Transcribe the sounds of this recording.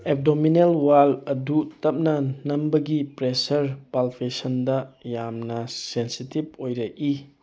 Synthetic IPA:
ep̚dominelwalɐdutɐp̚nɐnɐmbɐɡipɾesɐɾpalpʰesɐndɐjamnɐsensitib̚ojɾɐʔi

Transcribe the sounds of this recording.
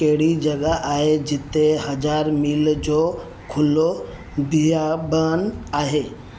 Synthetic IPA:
kɐɦɪɽid͡ʑɐɠaʔaːɦed͡ʑɪt̪eɦɐzaːɾmiːld͡ʑoː | kʰʊlo | b̪ʱijabənaːɦeː

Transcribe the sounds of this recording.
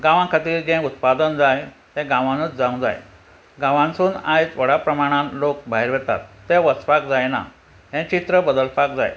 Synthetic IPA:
ɡãʋãkʰat̪iːɾd͡ʑɛ̃ut̪̚pad̪ənd͡zaj | t̪ɛ̃ɡãʋãnut͡sd͡zãũd͡za̰j | ɡãʋãŋsuːnajt͡sʋəɽapɾəmaɽ̃ãlok̚bʱaɦiɾʋɛt̪a̰t̪ːẽʋət͡spak̚d͡zajna̰ | ɦɛ̃t͡ɕit̪ɾəbəd̪əlpakd͡za̰j

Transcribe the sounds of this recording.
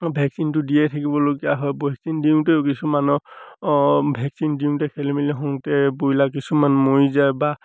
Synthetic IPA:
bʱɛksintʊdijɛtʰakibɔloɡijaɦɔjbɔksindiuŋteʊkisumanɔ | bʱɛksindiuŋtɛkʰɛlimiliɦɔŋtɛbojlak̬isumanmojzajba

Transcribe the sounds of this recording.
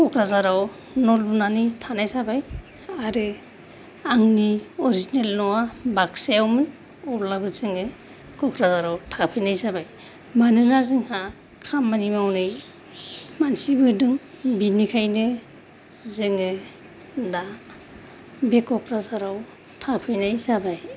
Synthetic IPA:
kɔkɾazaɾaw | nɔlbunanitʰanajsabaj | aɾɯ | aŋniɔɾizinelnɔwabaksejawmɯn | ɔɾlabɯzɯŋɯ | kɔkʰɾazaɾawtʰapʰɯjnajsabaj | manɯnazɯŋha | kʰamːanimawnɯj | mansibɯdɯŋbinikʰajnɯ | zɯŋɯ | da | bekɔkʰɾazaɾaw | tʰapʰɯjnajsabaj

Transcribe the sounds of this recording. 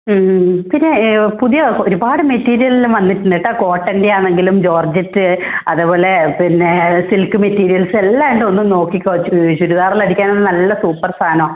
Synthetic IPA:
pinːe̞puðijɐoɾubaːɽɨmetːiːɾijɐlilʋɐnːiʈːunːiʈːaːko̞ːʈːɐndeaːɳeŋɡilumd͡ʑo̞ːrd͡ʑɐtːɨɐðubo̞ːle̞pinːesilkɨmetːiːɾijɐlsɨe̞lːaːʋeɳɖɨo̞nːumno̞ːkːikʲːoɕuɾuðaːrilɐɽikʲːaːnonːɨnɐlːɐsuːpːɐrst̪ʰaːnɐː

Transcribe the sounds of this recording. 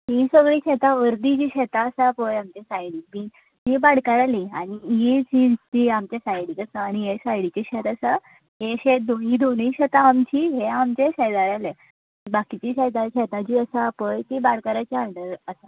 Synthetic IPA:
ɦĩsəɡɭiːɕet̪aʋəɾd̪id͡ʑiːɕɛt̪aəsapəjamt͡ɕesajɽimiː | ɦibaɽkaɾaliaɽ̃ijid͡ʑit̪iamt͡ɕasajɽit͡səsaaɽ̃iesajɽit͡ɕeɕet̪əsa | ɦeɕet̪̚d̪oɦid̪oñiɕɛt̪aːmt͡ɕiːɦeamt͡ɕeɕɛd̪aɾale | ĩbakit͡ɕiːɕɛt̪aɕet̪at͡ɕiːəsapəjt̪ibaɽkaɾat͡ɕaəɳɖəɾəsa

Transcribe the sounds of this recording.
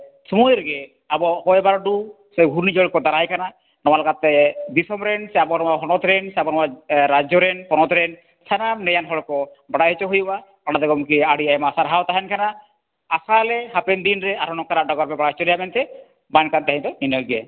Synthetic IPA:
sɔmujɾɡɛ | abɔhɔjbaɾɖu | sɛɡʱuɾnid͡ʒɔɭkɔd̪aɾajkʰana | nɔwalɔkat̪ːɛb̪isɔmɾɛnsɛabɔnɔwaɦɔnɔt̪ɾɛnsɛabɔnɔwaɾad͡ʒɔɾɛnpɔnɔt̪ɾɛn | sʰanamnɛjanɦɔɽkɔ | baɽaɦɛt͡ʃɔɦujuba | ɔɽad̪ɛɡɔmkiaɽiajmaasaɾɦawt̪aɦɛnkʰanaː | salɛɦapɛnd̪inɾɛaɾʰɔnɔkaɾaʔɖɔɡɔɾpɛbaɽaɦɛt͡ʃɔɾɛjamɛnt̪ɛ | bankant̪aɦĩnt̪ɔninɔlɡɛ

